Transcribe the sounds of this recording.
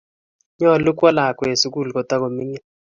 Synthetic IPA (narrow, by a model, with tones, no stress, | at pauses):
ɲɔ˦˨lʊ˦kwa˦la˨kwe˨su˦ku˦˨lkɔ˨ta˦ko˨mi˦ɲɛ˦